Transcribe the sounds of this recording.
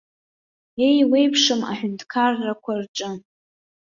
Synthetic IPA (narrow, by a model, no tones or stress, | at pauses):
e̞jwe̞jpʰʂɨma̰ħᶣʊntʰkʰarːakʷʰarʈ͡ʂʼɨ